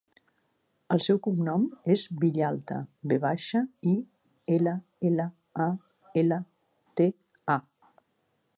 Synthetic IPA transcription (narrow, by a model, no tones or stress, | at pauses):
əlˠsɛwkuŋnɔmezβiʎalˠt̪ə̰beβaʃəi | elə | elə | a | elə | t̪e | a